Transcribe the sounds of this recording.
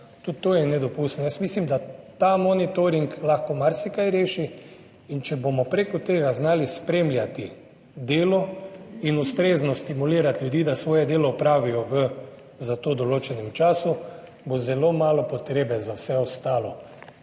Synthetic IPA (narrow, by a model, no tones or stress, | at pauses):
t̪ut̪ːoːjɛnɛd̪ɔpust̪nɔjasmislimd̪at̪amɔnit̪oɾiŋklaxkɔmaɾsikajɾeːʃi | int͡ʃɛbomɔpɾekɔt̪eːɡaznaːlispɾeːmlʲjat̪i | d̪eːlɔinust̪ɾeːznɔst̪imuliːɾat̪ljud̪iːd̪asʋɔːjɛd̪eːlɔpɾaːʋijɔʋə | zat̪oːd̪ɔloːt͡ʃɛnɛmt͡ʃaːsu | bozɛlomaːlɔpɔt̪ɾeːbɛzawsɛɔst̪aːlɔ